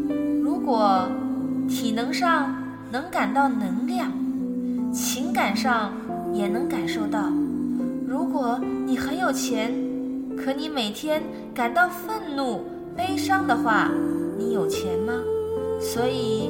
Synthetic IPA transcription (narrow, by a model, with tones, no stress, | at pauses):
ɻu˧˥kwɔ˨˩ | t̪ʰi˨˩nɤ˧˥ŋʂɑ˥˩ŋ | nɤ˧˥ŋka˨˩nt̪ɑ˥˩ʊnɤ˧˥ŋljɑ˥˩ŋ | t͡ɕʰi˧˥ŋka˨˩nʂɑ˥˩ŋ | jɛ˨˩nɤ˧˥ŋka˨˩nʂo˥˧ʊt̪ɑ˥˩ʊɻu˧˥kwɔ˨˩˦ni˨˩xə˧˥njo˨˩ʊt͡ɕʰjɛ˧˥nkʰɤ˧˥ni˧˥me˨˩ɪt̪ʰjɛ˥n | ka˨˩nt̪ɑ˥˧ʊfə˥˧nnu˥˩ | pe˥ɪʂɑ˥ŋd̪ə˨xwa˥˩ni˧˥jo˨˩ʊt͡ɕʰjɛ˧˥nmɐ˧swɔ˧˥i˨˩